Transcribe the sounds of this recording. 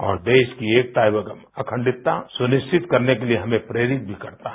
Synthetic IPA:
ɔ̰ːɾd̪eːʃkieːk̚ʈ̪aːɪbəkəmɐkʰə̃ɳɖɪt̪ːasʊnɪʃt͡ʃɪt̪kɐɾnekelieɦɐmẽpɾeːɾɪt̪̚bʱikɐɾt̪aɦɛ

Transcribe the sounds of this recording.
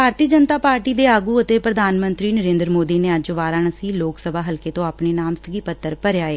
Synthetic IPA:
bʱaːɾt̪iːd͡ʒənt̪aːpaːɾʈiːd̪eːaːɡuːət̪eːpɾəd̪ʱaːnmənt̪ɾiːnəɾẽːnd̪ɾmoːd̪iːneːəd͡ʒʋaːɾaːnəsĩːloːksəbʱaːɦəlkeːt̪õːaːpɳeːnaːmst̪əɡiːpət̪ːəɾpəɾjaːeː

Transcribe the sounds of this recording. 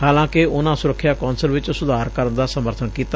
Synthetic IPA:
haːlãːkɪʊnãːsʊɾəkʰːjaːkɔːnsəlʋɪt͡ʃsʊd̪ʱaːɾkəɾənd̪aːsəməɾt̪ʰənkiːt̪a

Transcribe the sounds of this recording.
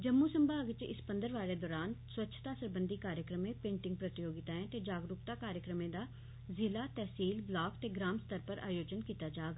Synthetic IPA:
d͡ʒəmːuːsəmbaːɡt͡ʃɪ̰spənd̪əɾʋaːɾeːd̪ɔːɾaːnswətːʃʰt̪aːsəɾbənd̪iːkaːɾjəkɾəmẽːpẽːɳʈɪ̃ŋɡpɾət̪ɪjoːɡɪt̪aːɦɛ̃ːt̪eːd͡ʒaːɡɾʊkt̪aːkaːɾjəkɾəmẽːd̪aː | zɪlaːt̪ɛːsiːlblaːkt̪eːɡɾaːmst̪əɾpəɾa̰ːjoːd͡ʒənkiːt̪aːd͡ʒaːɡ

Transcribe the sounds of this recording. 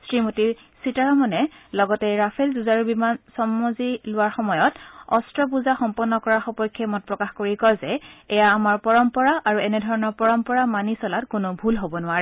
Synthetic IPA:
sɹimotiɹ | sitaɹɔmɔnɛlɔɡɔtɛɹapʰelzuzaɹubimansɔmɔzilʊwaɹxɔmɔjɔtɔ̰stɹɔp̬uzaxɔmpɔnːɔkɔɹaɹxɔpɔjkʰːɛmɔt̚pɹɔkaxkoɹikɔzɛɛjaːmaɹpɔɹɔmpɔɹaʔaɹuɛnɛdʱɔɹɔnɔɹpɔɹɔmpɔɹamanisɔlatkʊnʊbʱulɦobɔnʊaɹɛ

